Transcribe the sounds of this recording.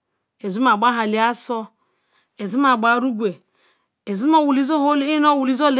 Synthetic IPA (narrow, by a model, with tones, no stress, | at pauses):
e˨zu˦m˦a˨ɡ͡ba˦ɦa˨li˨˦a˦sɔ˦ | e˨zi˦m˦a˨ɡ͡ba˨˦ɾu˦ɡʷe˨ | e˨zi˦m˦o˦wu˨li˦zo˦ɦo˦li˦no˦˨wu˨li˦zo˦l